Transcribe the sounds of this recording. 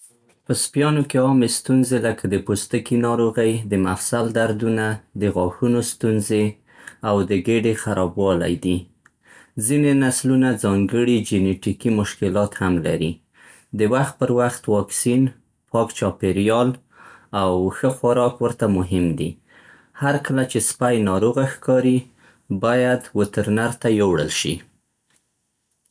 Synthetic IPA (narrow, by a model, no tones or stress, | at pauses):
pəspjɑnokeɑmest̪unzeləkʰad̪əpost̪əkinɑɾoɣəjd̪əmafsald̪aɾd̪unad̪əɣɑxunost̪unze | awd̪əɡeɖexaɾɑbwɑla̰jd̪i | zinenaslunad͡zɑŋɡəɽid͡ʒɪneʈikimʊʃkɪlɑt̪hamlaɾi | d̪əwaxt̪̚pəɾwaxt̪wɑksin | pʰɑkt͡ʃɑpeɾjɑl | awxəxaɾɑkwəɾt̪amʊɦɪmd̪i | haɾkəlat͡ʃespajnɑɾoɣaxkɑɾi | bɑjad̪wət̪əɾnaɾt̪ajowɽə̰lʃḭ